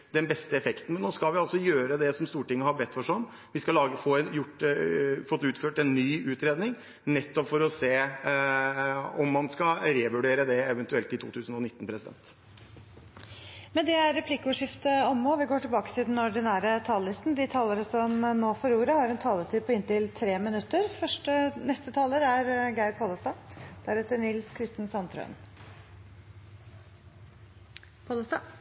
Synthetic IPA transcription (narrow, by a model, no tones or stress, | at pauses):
d̪ɛnbɛst̪əɛfɛkt̪n̩mɛnoːskɑlʋɪɑlsɔjøːɾəd̪ɛsɔmst̪uːʈɪŋːəhɑbɛt̪ːfɔʂɔm | ʋɪskɑlɑːɡəfojʊʈː | fɔt̪ːʉːt̪føːʈɛnnyːʉːt̪ɾeːd̪nɪŋ | nɛt̪ːɔpfɔɾɔseː | ɔmːɑnskɑɾeːʋʉɖeːɾəd̪ɛɛʋɛnt̪ʉɛlt̪ɪt̪ʰuːt̪ʰʉːsn̩ɔnɪt̪ːn̩pʰɾɛsɪd̪ɛ̰nt̪ | mɛnd̪ɛæɾɾɛpʰlɪkːəʊːʂɪft̪əɔmːoːʋɪɡoːʈɪlbɑːkə̥t̪ʰɪld̪ɛnɔɖɪnæːɾət̪ʰɑːləlɪst̪nd̪ɪt̪ʰɑːləɾəsɔmnoːfɔɾuːɾəhɑɾɛnt̪ʰɑːlət̪ʰyːd̪̚pʰɔɪnt̪ɪlt̪ʰɾeːmɪnʉt̪ːəɾfœʂʈənɛst̪ət̪ʰɑːləɾæɾɡæɪd̚pʰɑːləst̪ɑːd̪̥æɾɛt̪ːənɪlskʰɾɪst̪ənsɑnt̪ʰɾœ̰ʏn | pʰoːləst̪ɑː